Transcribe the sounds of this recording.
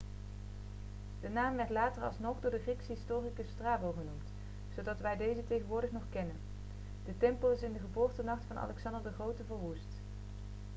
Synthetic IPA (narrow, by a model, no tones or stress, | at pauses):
d̥ənaːmʋɛɹtlaːtərɑ̰lˠsnɔχdʊːɹdəχriksəɦɪstʊːrikəstraːbəlˠχənumt | sowdɑtʋɛjdejzətejχənʋʊːɹdəχnɔχkɛnən | d̥ətɛmpəlˠɪsɪndəχəbʊːɹtənɑχtfɑnɑ̰lɛksɑndəɹdəχrowtəvəɹʋust